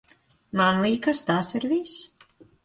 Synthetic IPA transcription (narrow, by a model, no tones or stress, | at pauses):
manlˠiːkast̪aːsiɾviːs